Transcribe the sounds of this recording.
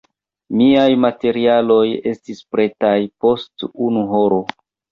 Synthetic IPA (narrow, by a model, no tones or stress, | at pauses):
miajmate̞ɾialo̞je̞stispɾe̞tajpo̞stunuɦoɾo̞